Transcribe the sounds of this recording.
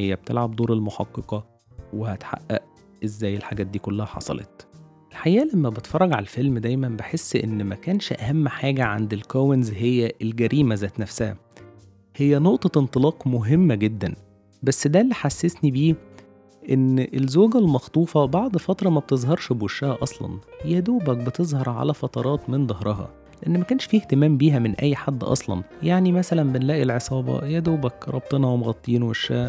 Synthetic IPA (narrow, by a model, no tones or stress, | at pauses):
hejːæb̥̚t̪ḛlʕab̚d̪ˤoːɾelmoħɑqːeqɑ | wehæt̪ħa̰ʔːæ̰ʔ | ʔezːæːjːelħaɡæːt̪̚d̪iːkolːæhæħɑ̰sˤɑ̰lḛt̪̚ | ʔelħajæːlæmːæbet̪fɑrˤːɑɡʕa̰ælfelmd̪æjmænbeħesːʔḛnːmækæːnʃʔæ̰hæmːħaːɡæʕa̰nd̪elkowenzɦejːæʔelɡæɾiːmæzæːt̪næfsæhæ̰ | hejːænoʔt̪ˤɑent̪ˤɨlɑːqmoɦemːæɡed̪ːæn | bæsːd̪ælːiħasːesnibiː | ʔenːʔelzoːɡælmɑxt̪ˤuːfɑbɑʕd̪ˤfɑt̪ɾˤɑmæb̥̚t̪ezˤɦɑɾˤʃbweʃːæhæʔɑsˤlɑ̰njæd̪oːbæk̚bet̪ezˤhɑɾˤʕa̰læfɑt̪ˤɑɾˤɑːt̪mend̪ˤɑhɾˤɑɦɑ̰ | leʔænːmækæːnʃfiːht̪emæːmbiːɦæmenʔæ̰jːħad̪ːʔɑ̰sˤlɑ̰njaʕnimæsælænbenlæːʔilʕesˤɑːbɑ̰jæd̪oːbækɾˤɑ̰b̚t̪ˤenɑwemɣɑt̪ˤːiːnweʃːæː